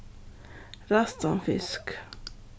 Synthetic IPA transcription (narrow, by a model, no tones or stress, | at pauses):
ɾɑst̪ɑnfɪ̰sk